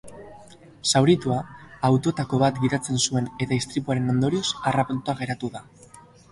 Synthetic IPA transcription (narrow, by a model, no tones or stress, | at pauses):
sawɾit̪uaːwt̪o̞t̪ako̞βat̪ɡiðat͡se̞nsue̞ne̞t̪aist̪ɾipuaɾe̞no̞nd̪o̞ɾio̞sarapunt̪uaɣe̞ɾat̪uða